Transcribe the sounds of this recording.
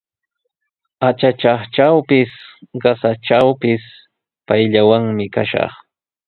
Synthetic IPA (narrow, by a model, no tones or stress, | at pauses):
at͡ʃat͡ʃɑχt͡ʃawpɪsɢɑsat͡ʃawpɪs | pajʎawaŋmɪkaʃɑ̰χ